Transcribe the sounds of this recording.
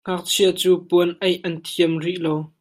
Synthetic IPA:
ŋak̚t͡sʰiət͡suːpuənʔɐjʔɐnt̪ʰiəmriʔlow

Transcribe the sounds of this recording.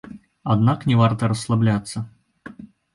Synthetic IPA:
ɐd̪naknʲɪvart̪əɾəsːlˠablʲat̪sːə

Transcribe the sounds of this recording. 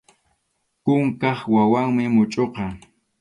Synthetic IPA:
kʊŋkɑχwawaŋmɪmʊt͡ʃʼoqɑ

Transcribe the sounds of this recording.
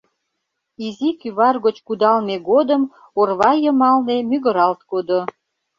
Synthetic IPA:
izikyβɑrɣot͡ɕkud̪ɑlmeɡod̪əm | orβɑjəmɑlnemyɣə̆ɾɑlt̪kod̪o

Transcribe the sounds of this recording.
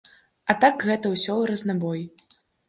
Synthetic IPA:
ɐt̪aɡɣɛt̪ɐwsʲɔɾɐznabɔj

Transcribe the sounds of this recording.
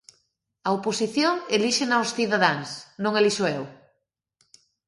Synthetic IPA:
ɐoposiθjoŋeliʃenawsθiðaðaŋsnõŋeliʃoew

